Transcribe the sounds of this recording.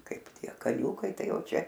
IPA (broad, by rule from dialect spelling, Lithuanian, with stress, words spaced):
ˈkɐɪp ˈtʲiɛ kɐˈnʲuːkɐɪ ˈtɐɪ ˈjɛʊ ˈt͡ʃʲɛ